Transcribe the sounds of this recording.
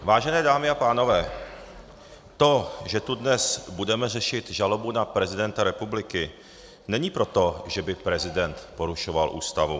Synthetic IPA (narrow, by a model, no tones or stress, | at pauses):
vaːʒɛnɛːdaːmɪapaːno̞vɛː | t̪o̞ʒɛt̪udnɛsbudɛmɛrɛʃɪt̪ʒalo̞bunapɾɛzɪdɛnt̪aɾɛpublɪkɪ | nɛɲiːpɾo̞t̪o̞ʒɛbɪpɾɛzɪdɛnt̪po̞ɾuʃo̞valʔṵːst̪avṵ